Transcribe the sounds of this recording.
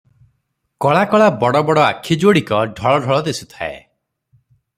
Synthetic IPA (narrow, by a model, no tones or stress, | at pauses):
kɔɭakɔɭabɔɽɔbɔɽɔa̰kʰid͡ʒoɽikɔɖʱɔɭɔɖʱɔɭɔd̪esu̥t̪ʰa̰ḛ